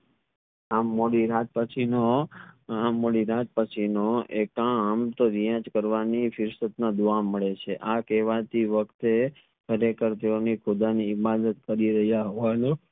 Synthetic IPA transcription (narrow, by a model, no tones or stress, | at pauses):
amːoɽiɾat̪̚pət͡ʃʰino | amːoɽiɾat̪̚pət͡ʃʰinoekãamt̪oɾijãd͡ʒkəɾʋanifɪɾsət̪nad̪uaməɭet͡ʃʰeʔakɛʋat̪iʋəkt̪e | kʰəɾekəɾt̪eonikʰʊd̪aniːbad̪ət̪̚kəɾiɾəɦjaɦoʋanu